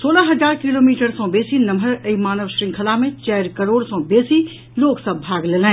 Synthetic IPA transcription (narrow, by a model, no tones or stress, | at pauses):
soːlaɦɐzaːɾkɪloːmiːʈəɾsɔ̃ːbeːsinɐmʱəɾɐimaːnəʋʃɾɪ̃ŋkʰəlamẽt͡ʃɛːɾkɐɾoːɽsɔ̃ːbeːsi | loːɡsɐbbʱaːɡleːlɛ̃ː